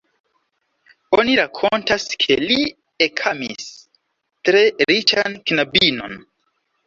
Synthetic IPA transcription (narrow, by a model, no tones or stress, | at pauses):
oniɾakʰo̞ntaskʰe̞li | ekʰamḭs | tɾe̞ɾit͡ʃankinabino̞̰n